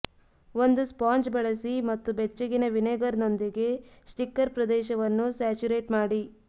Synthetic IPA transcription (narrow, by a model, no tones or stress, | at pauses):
o̞nd̪uspaːɲd͡ʒbɐɭɐsimɐt̪ːubɛt͡ʃːɐɡinɐʋinɛɡɐɾnond̪iɡe̞sʈikːɐɾpɾɐd̪ɛːʃɐʋɐnːusaːt͡ʃuɾeːʈmaːɽi